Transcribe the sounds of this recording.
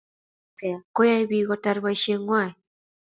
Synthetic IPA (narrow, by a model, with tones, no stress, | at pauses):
kɛ˨a˨ko˦ja˦iβiɣɔta˨ɾβa˨ʃe˦ŋwa˦˨i